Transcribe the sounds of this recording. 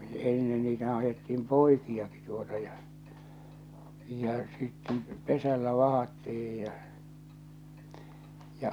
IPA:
enːen niːtæhæ̃ː ɑjetːiim poikiɑki tuotɑ jɑ jɑ sitːen pesælːæ ʋɑhɑtːih̞ij jɑ jɑ

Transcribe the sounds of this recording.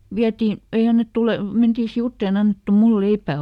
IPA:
ʋiæti ei ɑnːetːu le mentiː siutːeˑn e ɑnːetːu mul leipːæˑ

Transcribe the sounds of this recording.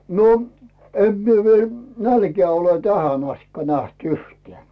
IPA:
no em mie ʋiel nælkeæˑ ole tæhæn ɑstikːɑ næht uhtĕæˑ

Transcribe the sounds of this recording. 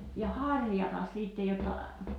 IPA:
jɑ hɑrʲjɑtɑs siˑtːej jotːɑ

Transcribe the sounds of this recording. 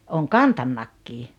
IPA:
oːŋ kɑntɑnːɑkːiː

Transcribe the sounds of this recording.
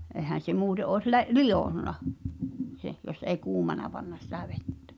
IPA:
ʔehæn̞ se muːte ʔoˑes le lijoˑnːɑ sen jos ei kuːmɑnɑ pɑnːɑ sĭtæ ʋetːæ̥̆

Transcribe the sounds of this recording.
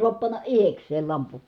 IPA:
suɑp pɑnːɑ ʔihekseːl lɑmpu

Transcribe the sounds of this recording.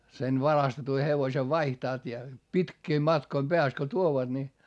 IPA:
sen ʋɑrɑstetu heʋosʲeʋ ʋɑihtɑːt jɑ pitkiːm mɑtkoim b̥eæst ko tuoʋɑd̥ ni

